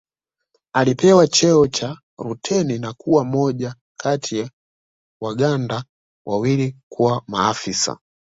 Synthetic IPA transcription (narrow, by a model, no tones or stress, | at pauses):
alipɛwat͡ʃɛɔt͡ʃa | ɾutʰɛninakuwamɔʄa | kʰatʰija | waɡanda | wʔawilikuwamaːfisa̰